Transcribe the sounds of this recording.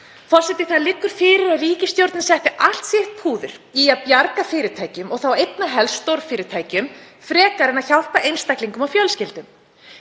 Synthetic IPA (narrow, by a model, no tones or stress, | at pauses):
fɔr̥sɛt̪ɪθaðlɪkːʏɾ̥fɪːɾɪɾaðriːcɪst̪jowɾt̪nɪsɛht̪ɪʔahl̥t̪sjɛht̪̚pʰuːðʏ̰ɾ̥iaðpjaɾkafɪːɾɪt̪ʰaːjcʏmɔɣθawejt̪̚naɦɛlsːt̪owɾfɪːɾɪt̪ʰaːjcʏm | fɾɛːkaɾɪnaðçawhpaʔejnst̪ajkliŋkʏmawfjœlscɪlt̪ʏm